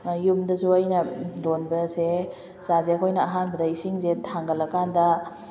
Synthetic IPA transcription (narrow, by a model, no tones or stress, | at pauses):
jumdɐsuɐjnɐlonbɐse | zazeɐkʰojnɐːɦanbɐdɐisiŋzetʰaŋɡɐlɐkandɐ